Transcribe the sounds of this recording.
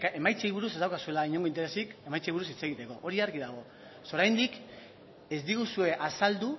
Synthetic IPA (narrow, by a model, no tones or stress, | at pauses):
e̞majt͡sejβuɾused̪awkasue̞laiɲo̞ŋɡo̞int̪ee̞sike̞majt͡sejβuɾusit͡se̞ɣit̪e̞ko̞ʔoɾiaɾɣiðaɣ̞o̞ | soɾajnd̪ik | e̞zd̪iɣusue̞ʔasald̪u